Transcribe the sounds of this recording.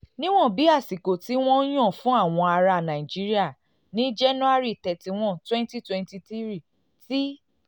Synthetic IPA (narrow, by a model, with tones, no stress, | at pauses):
nĩ˦w̃ɔ̃˦˨bi˨˦a˦˨si˨ko˨ti˨˦w̃ɔ̃˦j̃ɔ̃˦˨fũ˦a˦˨w̃ɔ̃˧a˧ɾa˧˨nã˨i˨d͡ʒi˨˦ɾi˦a˦˨ | nĩ˦d͡ʒɛ˦nũ˦a˦ɾi˦˨tɛ˨ti˨w̃ɔ̃˦˨twɛ̃˦n˦ti˦˨twɛ̃˦nti˧ti˦ɾi˦˨ | ti˦